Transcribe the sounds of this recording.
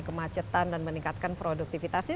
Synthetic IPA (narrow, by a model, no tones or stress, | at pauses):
kəmat͡ʃət̪andanməniŋkat̪̚kanpɾoduk̚t̪ifit̪asɲ